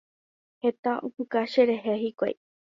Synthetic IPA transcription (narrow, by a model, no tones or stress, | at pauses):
het̪aʔopɨkaʃeɾeɦehikʷa̰j